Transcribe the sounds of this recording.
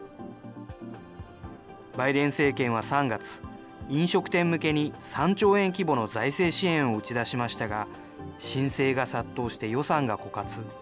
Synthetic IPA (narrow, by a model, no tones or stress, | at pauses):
baid̪ẽ̞ɰ̃se̞ːkẽ̞ɰ̃β̞asãŋɡat͡sɨ̥ | ĩɰ̃ɕo̞kɯ̟̥t̪ẽ̞mːɯ̟ke̞ɲ̟isãɲ̟t͡ɕo̞ːẽ̞ŋk̬ʲibo̞no̞zaise̞ːɕiẽ̞ɰ̃o̞ɯ̟t͡ɕid̪aɕimaɕi̥t̪aɡa | ɕĩɰ̃se̞ːɡasat̪ːo̞ːɕi̥t̪e̞jo̞sãŋɡako̞kat͡sɨ